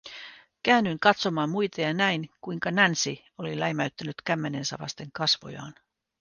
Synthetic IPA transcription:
kæːnyŋkɑt̪so̞mɑːmmːujt̪ɑjɑnæinkujŋkɑnænsi | olilæjmæyt̪ːænyt̪kæmːe̞ne̞nsæ̰ʋɑ̰st̪e̞ŋkɑsʋo̰jɑ̰ːn

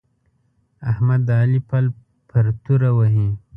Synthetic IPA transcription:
ahmad̪ɑːlipal | pʰəɾt̪uɾawaɦi

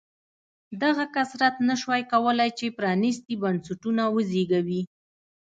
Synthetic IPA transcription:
d̪aɣakasɾat̪naʃwajkawəlajt͡ʃepɾɑnist̪ibansaʈunawəzeɡawi

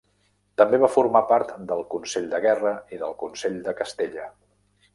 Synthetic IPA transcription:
t̪əmbeβafuɾmapaɾt̪d̪əlˠkunseʎd̪əɣɛrəiðəlˠkunseʎd̪əkəst̪eʎə

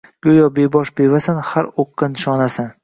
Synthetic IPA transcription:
ɡ̥ʲojɒbebɒʃbevasanhaɾoqːanɪʃɒnasan

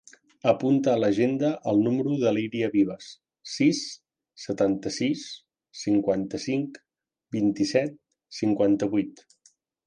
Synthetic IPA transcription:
əpunt̪əːləʒend̪əʔəlˠnuməɾuðəliɾiəβiβ̞əs | sisː | ət̪ant̪əsisː | iŋkwant̪əsiŋk | bint̪isɛt̪̚ | siŋkwant̪əβuijt̪

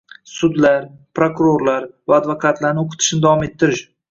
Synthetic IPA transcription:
sʊd̪laɾpɾokʊɾoɾlaɾvaːd̪vokʰat̪ʰlaɾnɪoqʰɨ̥t̪ʰɪ̥ʃnɪd̪avɒme̞t̪ʰːɪɾɪʃ

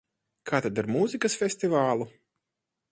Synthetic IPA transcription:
kʰaːt̪ad̪aɾmuːzikɐsfʲesʲt̪ivaːlˠu

